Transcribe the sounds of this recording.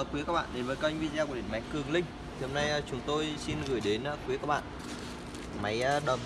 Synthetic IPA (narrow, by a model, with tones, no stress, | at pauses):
kwi˨˦əkaː˦˥ɓa̰ː˧˨nɗe˨˦nvəː˨˦jkːa˧ʔŋvḭ˧˨nzaː˧ku˧˩ɗ̰ma˨˦jkɨ˨˩əŋlï˧ŋ̟ | ho˧mna˧jt͡ɕʊ˨˦ŋ͡mt̪o˧jsi˧nɣɨ˨˧˩əjɗe˨˦na˧˦kwi˨˦kaː˦˥k̚ɓa̰ː˧˨ | ma˨˦jɗə˨˩m